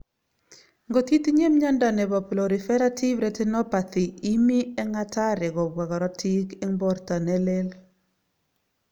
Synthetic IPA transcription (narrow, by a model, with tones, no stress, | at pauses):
ŋɡo˨t̪i˦t̪i˦ɲe˦mɲa˦nda˨nɛ˨bɔ˨plɔ˨ɾi˨fɛ˦ɾa˦tʰi˦vɾɛ˨tɛ˦nɔ˦pa˨t̪i˨i˦mi˦ɛ˦ŋa˦ta˦ɾɛ˨ɡɔ˨bwa˨ɡɔ˨ɾɔ˦tʰi˦kɛ˦ŋbɔ˦rta˨nɛ˦le˦l